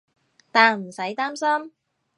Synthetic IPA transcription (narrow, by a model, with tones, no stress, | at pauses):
t̪aː˨nm̩˨˩sɐ˨˥jt̪aː˥msɐ˥m